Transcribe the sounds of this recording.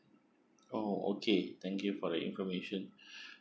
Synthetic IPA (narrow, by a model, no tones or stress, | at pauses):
oo̰kʰet̪ʰɛ̃ŋkjufɔdəʔḭ̃nfɔmeʃɔ̃n